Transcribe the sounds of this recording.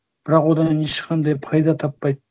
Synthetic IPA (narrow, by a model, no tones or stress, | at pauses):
b̥ɪɾɑqwod̪ɑeʃqɑnd̪ɑjpʰɑjd̪ɑt̪ʰɑpːɑj̪